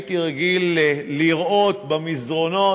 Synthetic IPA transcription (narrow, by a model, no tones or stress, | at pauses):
t̪iʁɡilːiʁʔo̞t̪bamizʁo̞no